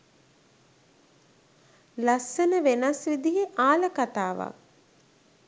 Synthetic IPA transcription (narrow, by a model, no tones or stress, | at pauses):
lasːənəʋenasʋid̪iɦeʔaːləkat̪aːʋa̰k̚